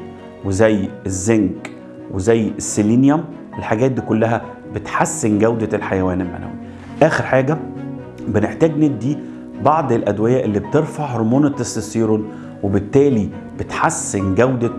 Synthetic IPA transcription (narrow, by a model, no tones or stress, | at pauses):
wezæjːezːæŋɡ | wezæjːesːeliːnjæm | ʔelħaɡæːt̪̚d̪iːkolːæɦæ | bet̪ħasːenɡæwd̪æelħajæwæːnelma̰nʔæ̰wḭ | ʔæːxeɾħaːɡæ | beneħt̪æːɡned̪ːi | bɑʕd̪ˤelʔæd̪wejæːʔelːiːb̚t̪eɾfɑʕhoɾmuːnet̪esesiːɾon | webet̪ːæːli | b̥et̪ħasːenɡæwd̪æ